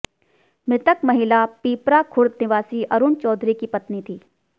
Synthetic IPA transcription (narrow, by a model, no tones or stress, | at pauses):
mɾɪt̪əkmɐɦɪlapiːpɾakʰʊɾt̪nɪʋaːsiʔɐɾuːnt͡ʃɔːd̪ɾikipɐt̪nit̪ʰiː